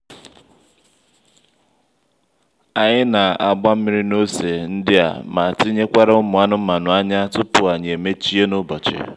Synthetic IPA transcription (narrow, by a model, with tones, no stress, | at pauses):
a˨ɲɪ˦na˨a˨ɡ͡ba˦m̩˦mi˦ɾi˦no˦se˨n̩˦dɪ˦a̰˨ma˨ti˦ɲe˦kʷa˦ɾa˦ʊ˦mʊ˨a˦nʊ˦ma˨nʊ˨a˦ɲa˦tʊ˦pʊ˨a˨ɲe˨e˨me˦t͡ʃi˦e˦nʊ˦bɔ˨t͡ʃḛ˨